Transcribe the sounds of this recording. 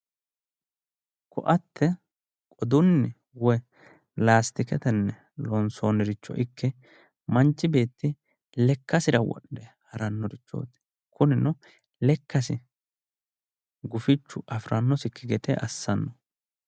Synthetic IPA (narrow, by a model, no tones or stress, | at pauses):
kɔʔɐt̪ʰːɛ | kʼɔd̪ʊnːɪ | wɔ | laːst̪ɪkɛt̪ɛnːɛ | lɔnsoːnɪɾɪt͡ʃːɔ̰ʔɪkːɛ | mɐnt͡ʃːɪbe̞ːt̪ːɪ | lɛkːɐsɪɾɐwɔ̰ɗːɛhɐɾɐnːɔɾɪt͡ʃːo̰ːt̪ɪ̥ | kʰʊnɪnɔ | lɛkːɐsɪ | ɡʊfɪt͡ʃːʊʔɐfɾʔɐnːɔsɪkːɪɡɛt̪ɛʔɐsːɐnːɔ